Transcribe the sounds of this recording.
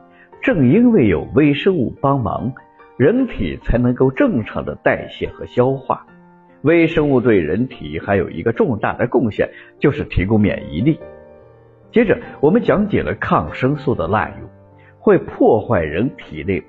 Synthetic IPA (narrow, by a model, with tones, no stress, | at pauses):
ʈ͡ʂɤ˥˩ŋi˥nwe˥˩ɪjo̰˨˩ʊwe˥ɪʂɤ˥ŋu˥˩pɑ˥ŋmɑ̰˧˥ŋ | ɻə˧˥nt̪ʰḭ˨˩t͡sʰa˧˥ɪnɤ˧˥ŋko˥˧ʊʈ͡ʂɤ˥˩ŋʈ͡ʂʰɑ̰˧˥ŋd̪ə̰˧t̪a˥˧ɪɕjɛ̰˥˩nxɤ˧˥ɕjɑ˥ʊxwa̰˥˩ | we˥ɪʂɤ˥ŋu˥˧t̪we˥˩ɪɻə̰˧˥nt̪ʰḭ˨˩˦xa˧˥ɪjo˨˩ʊʔḭ˧˥ɡə˧ʈ͡ʂʊ˥˧ŋt̪a̰˥˩d̪ə˩kʊ˥˧ŋɕjɛ̰˥˩nt͡ɕjo˥˧ʊʂɻ̩˥˩t̪ʰi˧˥kʊ˥ŋmjɛ̰˨˩nḭ˧˥li˥˩ | t͡ɕjɛ˥ʈ͡ʂə˧˩wɔ˨˩mə˦nt͡ɕjɑ˧˥ŋt͡ɕjɛ̰˨˩lə˦kʰɑ˥˩ŋʂɤ˥ŋsu˥˩d̪ə˩la̰˥˧˩nṵ˥˩ | xwe˥˧ɪpʰwɔ˥˧xwa˥˩ɪɻə˧˥nt̪ʰi˨˩ne˥˩ɪ